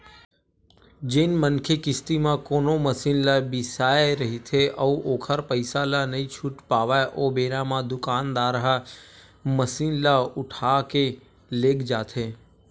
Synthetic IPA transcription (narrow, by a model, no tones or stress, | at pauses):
d͡ʒenmənkʰekɪst̪imãkoːnoməsiːnlabɪsaːeɾəɦit̪ʰeʔəũʔoːkʰəɾpəɪsalanəɦĩt͡ʃʰuʈpaːʋajʔoːbeːɾãmãd̪ʊkaːnd̪aːɾɦa | məsiːnlaʊʈʰake | leːkʰd͡ʒaːt̪ʰeː